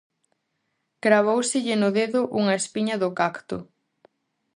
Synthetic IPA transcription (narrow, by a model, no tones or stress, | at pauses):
kɾaβ̞owsɪʎɪnʊðeðʊʔuŋɐespiɲɐðʊkakt̪ʊ